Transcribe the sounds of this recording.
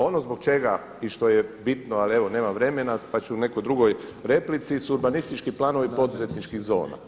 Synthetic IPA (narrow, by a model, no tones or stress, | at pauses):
o̞no̞zbo̞ɡ̚t͡ʃe̞ɡa | iʃt̪o̞jebit̪noalie̞ʋo̞ne̞ːmaʋɾe̞me̞napat͡ɕuune̞kojd̪ɾuɡo̞jɾe̞plit̪sisuuɾbanist̪it͡ʃkiplˠaːno̞ʋipo̞d̪uze̞t̪nit͡ʃkiɣzo̞̰ːna̰